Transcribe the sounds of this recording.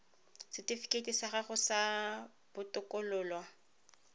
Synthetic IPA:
sɪtʼifi̥kʼetʼisaɣaχʊsa | b̥ʊtʼʊkʼʊlʊːlwa

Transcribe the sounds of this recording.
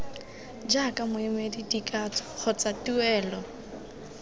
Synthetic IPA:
d͡ʒakʼamʊɪmedidikʼat͡sɔ̥χʊt͡satuɛːlɔ

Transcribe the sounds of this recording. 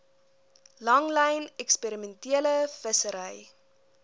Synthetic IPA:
lɐŋləjnɛkspeɾimɛntiələfəsəɾəj

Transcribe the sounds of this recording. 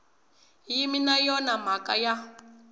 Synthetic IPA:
jiminajɔnam̤akʼa̰ja

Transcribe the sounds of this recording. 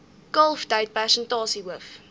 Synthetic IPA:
kɐlˠftəjt̚pærsəntɑːsiɦuəf

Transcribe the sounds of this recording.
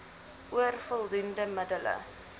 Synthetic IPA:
ʔuərfəlˠdundəmədələ̰

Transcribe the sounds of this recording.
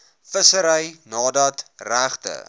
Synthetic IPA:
fəsəɾəjnɑːdɐtræχtə̰

